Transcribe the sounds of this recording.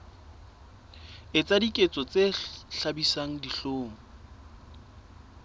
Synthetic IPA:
ɪt͡sʼadikʼet͡sʼɔt͡sʼeɬabisaŋ̩diɬoːmʊ

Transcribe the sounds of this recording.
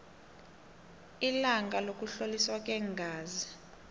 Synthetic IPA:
ilaŋɡʱalok̬ʼuɬoliswakʼɛŋɡʱaːzi

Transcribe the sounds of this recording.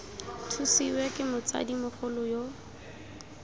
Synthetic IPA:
tʰusiwɛkʼɪmʊt͡sa̰dimʊχʊlʊjo

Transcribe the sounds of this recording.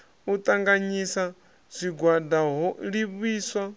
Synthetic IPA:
ut̪ʼaŋɡaɲisa | z̥ʷiɡwadaɦɔɺiβiːswa

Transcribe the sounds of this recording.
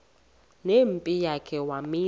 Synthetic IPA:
nempʼijakʰɛwamiː

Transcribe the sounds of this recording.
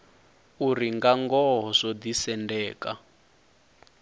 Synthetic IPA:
uriŋɡaŋɡɔɦɔzɔd̪isɛndɛːka̰

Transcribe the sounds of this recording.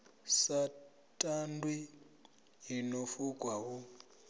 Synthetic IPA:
sa | tʼandʱwi | ɦinofukʼwawu

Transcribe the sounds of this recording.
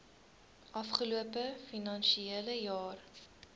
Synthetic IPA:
ʔɐfχəluəpəfinɐnʃieləjɑːr

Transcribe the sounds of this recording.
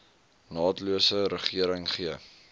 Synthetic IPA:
nɑːtluəsəɾəχiəɾəŋχiə

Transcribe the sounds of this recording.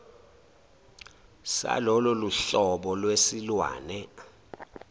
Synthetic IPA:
sa̰lɔlɔluɬɔɓɔlwesilwa̰ːnɛ

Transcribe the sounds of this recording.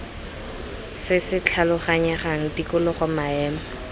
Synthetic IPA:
sɪsɪt͡ɬʰalʊχaɲaχaŋ̩dikʊlʊχɔmaɛːma

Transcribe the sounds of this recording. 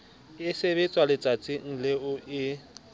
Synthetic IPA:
ɪseβet͡sʼwalɪt͡sʼat͡sʼɪŋ̩lɪʊʔɪ

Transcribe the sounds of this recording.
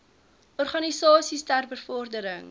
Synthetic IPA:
ʔɔrχɑnisɑːsistærbəfɔrdəɾəŋ

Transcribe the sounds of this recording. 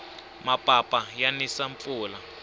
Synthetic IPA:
mapʼapʼajanisaɱp̪uːla

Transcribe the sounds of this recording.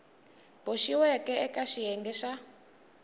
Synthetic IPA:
boʃiwɛkɛɛkʼaʃiɛŋɡɛʃa

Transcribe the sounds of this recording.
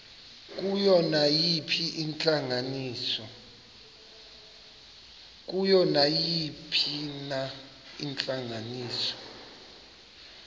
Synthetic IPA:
k̬ʼujɔnajipʰiʔint͡ɬʼaŋaniːsɔ | k̬ujɔnajipʰina | int͡ɬʼaŋaniːsɔ̥

